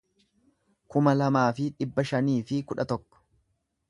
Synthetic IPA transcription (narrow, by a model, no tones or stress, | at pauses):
kʊmɐlɐmaːfɪᶑɪbːɐʃɐniːfɪkʊᶑɐt̪ɔkːɔ̥